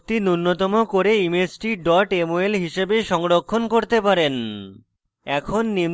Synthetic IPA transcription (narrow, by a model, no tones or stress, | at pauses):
t̪inunːot̪ɔmokoɾeimesʈiɖɔʈemoelɦiʃebeʃɔŋɾokʰːonkoɾt̪epaɾen | ɛkʰonːim